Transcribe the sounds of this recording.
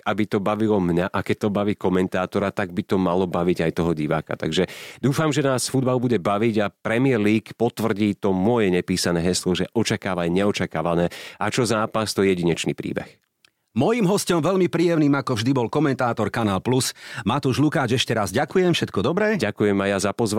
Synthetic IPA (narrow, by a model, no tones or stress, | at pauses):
abit̪ɔbaʋilɔmɲaʔakɛc̚t̪ɔbaʋiːkɔmɛnt̪aːt̪ɔɾat̪aɡ̚bit̪ɔmalɔbaʋiɟajt̪ɔɦɔɟiʋa̰ːka̰t̪a̰ɡʒɛd̪uːfamʒɛnaːsfud̪̚balubuɟɛbaʋiɟapɾɛmɪɛɾliːkpɔt̪ʋr̩ɟiːt̪ɔmʊɔjɛɲɛpiːsanɛːɦɛslɔʒɛʔɔt͡ʃakaːʋajɲɛɔt͡ʃakaːʋanɛːat͡ʃɔzaːpast̪ɔjɛɟiɲɛt͡ʃnipɾḭːbɛ̰x | mɔjiːmɦɔscɔmʋɛʎmipɾiːjɛmniːmakɔvʒd̪ibɔlkɔmɛnt̪aːt̪ɔɾkanaːlplusmat̪uʒlukaːd͡ʒɛʃcɛɾazɟakujɛmfʃɛt̪kɔd̪ɔbɾɛːɟakujɛmajazapɔzʋ